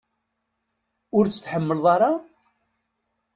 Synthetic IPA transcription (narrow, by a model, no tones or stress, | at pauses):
ʊɾt͡sːə̥θħəmːəlðˤɑɾˤɑ